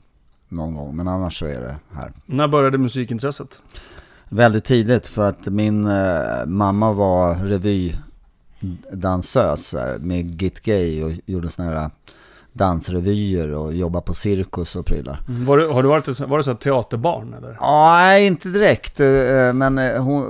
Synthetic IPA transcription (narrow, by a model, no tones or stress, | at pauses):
nɔnɡɔ̰ŋːmɛnanːaʂːɔæ̰ɖɛ̰hæ̰ːɾnæːɾbœɾjad̪əmɵsiːkɪnt̪ʰɾɛsːət̪ | vɛld̪ɪt̪ʰːiːd̪ɪt̪fœɾat̪mɪn | mamːavaɾɛvyː | d̪ansøːsæ̰ɾmeɡɪt̪ɡɛjɔjuːɖəsɔnahæːɾa | d̪ansɾɛvyːəɾɔjɔbːapʰɔsɪɾkɵsɔpʰɾy̰ːlʔa̰ɾvaɖɵhaɖɵvɑːɾɪt̪ɛt̪svaɖɛsɔt̪ʰːɛɑːt̪əɾbɑ̰ːɳɛ̰lːə̰ɾɑːɛɪnt̪əd̪ɪɾɛkt̪mɛnhʊn